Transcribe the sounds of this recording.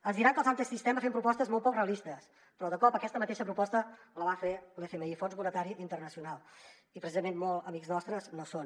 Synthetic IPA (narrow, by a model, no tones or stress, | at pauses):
ənzðiɾaŋkəlˠzant̪ɾəsist̪ɛməfempɾupɔst̪əzmolˠtpɔkreəlist̪əs | pɾɔðəkɔpəkɛst̪əmət̪eʃəpɾupɔst̪ələβafelefeməifonzβunət̪aɾiint̪ərnəsiunalˠ | ipɾəsizəmenmɔlˠəmikznɔst̪ɾəznoson